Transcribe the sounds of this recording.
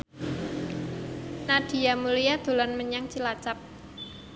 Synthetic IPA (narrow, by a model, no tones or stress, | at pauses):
nad̥i̤amulijad̪̥o̤lanməɲaŋt͡ʃilat͡ʃap̚